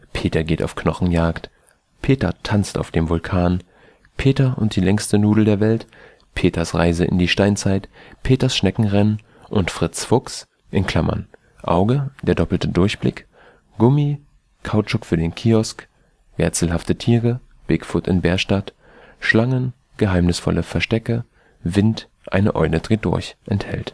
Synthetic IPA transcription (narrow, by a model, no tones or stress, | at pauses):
pʰeːtɐɡeːtaʊfkʰnɔχn̩jaːkt | pʰeːtɐ̰tʰant͡sta̰ʊfd̥eːmvʊlkʰaːn | pʰeːtɐʔʊnt̚d̥iːlɛŋstənuːdl̩deːɐvɛlt | pʰeːtʰɐsʁa̰ɪzəʔɪ̰ndiːʃtaɪnt͡saɪtpʰeːtɐsʃnɛkŋ̩ʁɛn | ʔʊntfʁ̥ɪt͡sfʊks | ʔɪnkʰl̥amɐ̰n | ʔa̰ʊɡəd̥eːɐdɔpl̩tədʊɐçb̥lɪ̰k | ɡ̥ʊmi | kʰaʊt͡ʃʊkfyːɐdeːnkʰiːɔsk | v̥ɛ̰ɐt͡sl̩ɦaftətʰiːʁə | b̥ɪkfʊtɪ̰nbɛːɐʃtat | ʃlaŋən | ɡ̥əɦaɪmnɪsfɔ̰lʔəfɛɐʃtɛkə | vɪnt | ʔa̰ɪnəʔɔ̰ʏdədʁɪt̚d̥ʊ̰ɐçʔɛnthɛ̰lt